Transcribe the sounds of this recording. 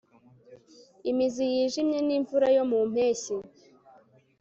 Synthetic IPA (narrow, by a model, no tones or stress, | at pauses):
imizijiːʒimɲe̞niːɱvuɾajo̞mum̥e̞ːçi